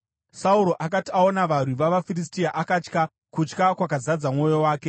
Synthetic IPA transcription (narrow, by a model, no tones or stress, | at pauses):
sauɾo̞ʔakatiao̞naʋarwiʋaʋafiristiaʔakat͡ʃka | kut͡ʃkakwakazad͡zamŋo̞jo̞waːke̞